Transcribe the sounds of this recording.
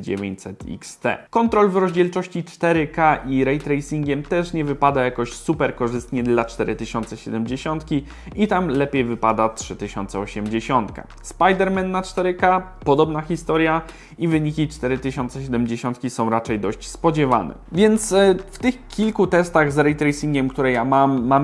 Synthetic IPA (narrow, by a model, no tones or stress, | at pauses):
d͡ʑḛvʲḛɲt͡ɕsɛt̪ḭkst̪ɛ̰kɔnt̪ɾɔlvɾɔʑd͡ʑɛlt͡ʂɔɕt͡ɕit͡ʂt̪ɛɾɘkaʔiɾɛjt̪ɾɛjsʲiŋɡʲɛmt̪ɛʂɲɛvɘpad̪ajakɔɕsupɛɾkɔʐɘst̪ɲɛd̪lat͡ʂt̪ɛɾɘt̪ɘɕɔnt̪sɛɕɛd̪ɛmd͡ʑeɕɔnt̪kʲi | it̪amlɛpʲjejvɘpad̪atʂɘt̪ɘɕɔnt̪sɛɔɕɛmd͡ʑeɕɔnt̪ka̰ | spajd̪ɛɾmɛnːat͡ʂt̪ɛɾɘka | pɔd̪ɔbnaxʲist̪ɔɾja | ivɘɲikʲit͡ʂt̪ɛɾɘt̪ɘɕɔnt̪sɛɕ̬ɛd̪ɛmd͡ʑeɕɔnt̪̚kʲisɔ̃w̃ɾat͡ʂɛjd̪ɔɕt͡ɕspɔd͡ʑɛva̰nɛ̰vʲjɛnt̪sft̪ɘxkʲilkut̪ɛst̪aɣzɾɛjt̪ɾɛjsʲiŋɡʲɛmkt̪uɾɛjamamːam